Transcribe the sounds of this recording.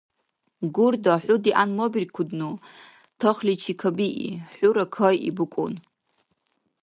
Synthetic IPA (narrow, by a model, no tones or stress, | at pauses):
ɡurdaħʷʊdiʔanmobirkʷʰʊdnu | tʰoχlit͡ʃʰikʰabiʔḭħʷʊɾakʰojḭbɨkʷʼʊ̰n